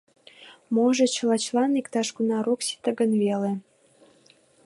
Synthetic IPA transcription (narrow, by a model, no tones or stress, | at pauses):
moʒet͡ɕəlɑt͡ɕlɑnikt̪ɑʃkunɑɾoksi̥t̪əɡənβele